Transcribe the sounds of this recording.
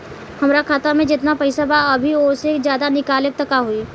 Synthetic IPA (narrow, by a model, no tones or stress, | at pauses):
hɐmɾakʰaːt̪amẽd͡ʒɪt̪napɐɪsabaɐbʱioːsezjaːd̪anɪkaːlek̚t̪ɐkaɦuiː